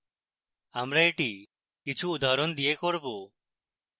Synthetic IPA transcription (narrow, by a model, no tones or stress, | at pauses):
amɾaeʈi | kit͡ʃʰuud̪aɾond̪ijekoɾbo